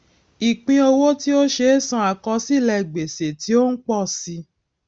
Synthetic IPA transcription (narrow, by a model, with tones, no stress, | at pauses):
i˨k͡pĩ˧o˧wo˦ti˦o˦ʃe˧˦sã˧˦a˨kɔ˧si˦˨lɛ˧˨ɡ͡be˨se˨ti˨˦o˦n̩˦k͡pɔ˦˨si˧